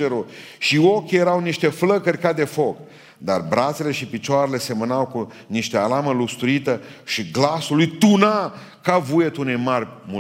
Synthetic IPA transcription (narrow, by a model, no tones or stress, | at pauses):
eɾuʃiokʲje̞ɾawniʃt̪e̞fləkərʲkad̪e̞fo̞k | d̪a̰rbɾat̪sele̞ʃipit͡ʃoaɾe̞le̞se̞mənawku | niʃt̪ealaməlust̪ɾuit̪əʃiɡlasulujt̪unakavujet̪unejmarʲmu